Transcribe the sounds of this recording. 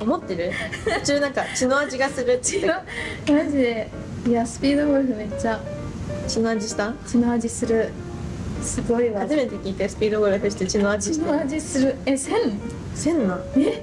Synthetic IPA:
o̞mo̞t̪ːe̞ɾɯ̟ot͡ɕɨnãŋkat͡ɕino̞ad͡ʑiɡasɨɾɯ̟t̪ːomad͡ʑid̪e | jasɨ̥pʲiːd̪oɡoɾɯ̟ɸɯ̟me̞t͡ɕːa | t͡ɕinoad͡ʑiɕi̥t̪ãt͡ɕino̞ad͡ʑisɨɾɯ̟ | sɨɡo̞iβaaʑime̞t̪e̞kʲiːt̪e̞sɨ̥pʲiːd̪oɡoɾɯ̟ɸɯ̟ɕ̬i̥t̪e̞t͡ɕino̞ad͡ʑiit̪eoad͡ʑisɨɾɯ̟esẽn | sẽ̞nːã | e

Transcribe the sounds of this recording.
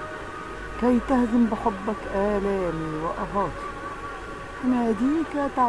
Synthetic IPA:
kajt̪ahzambɪħʊbːakʔaːlaːmiːwɪʔɑɦɑːt̪i̥ | ʔɪnaːd̪iːkat̪a

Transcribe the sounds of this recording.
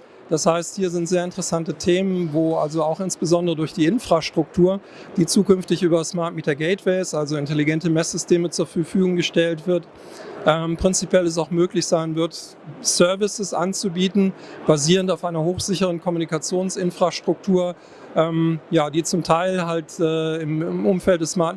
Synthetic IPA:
d̥ashaɪsthiːɐzɪntz̥eːɐɪntəʁɛsantətʰeːmənvoːʔa̰lzoaʊxʔɪnsb̥əzɔndəʁədʊɐçd̥iːʔɪnfʁ̥aʃtʁ̥ʊk̚tʰuːɐ | d̥iːt͡suːkʏnftɪçʔyːbɐsmaɐt̚miːtɐɡɛɪtvɛɪsʔalzoɪnteliɡɛntəmɛsz̥ʏstʰeːmət͡suːɐfɐɐfyːɡʊŋɡəʃtɛltv̥ɪɐt | ʔɛːmpʁ̥ɪnt͡sipjɛlɛs̬aʊxmøːklɪçz̥aɪnvɪɐt | sœɐvɪsəsʔa̰nt͡subiːtn̩b̥aziːʁəntaʊfʔaɪnɐhoːxz̥ɪçəʁ̞ənkʰɔmunikat͡sjoːnsɪnfʁ̥aʃtʁ̥ʊk̚tʰuːɐ | ʔɛːmjaːdiːt͡sʊmtʰaɪlɦaltɛːɪmʔʊmfɛlt̚d̥ɛsmaɐt

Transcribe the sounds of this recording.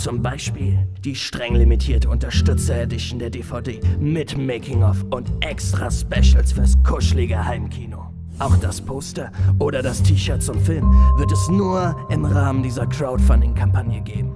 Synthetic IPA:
t͡sʊmbaɪʃpiːld̥iːʃtʁ̥ɛŋlimitʰiːɐtəʊntɐʃtʏt͡sɐedɪʃondeːɐdefaʊdeːmɪtmeɪkʰɪŋɔfʊntʔɛkstʁ̥aspɛʃl̩sfyːɐskʰʊʃlɪɡəhaɪmkʰiːno | ʔaʊxd̥aspʰoːstɐʔoːɾɐdastʰiːʃœːɐt̚t͡sʊmfɪlmvɪɐtɛsnuːɐʔɪmʁaːməndiːzɐkʁ̥aʊtfandɪŋkʰampʰanjəɡeːbm̩

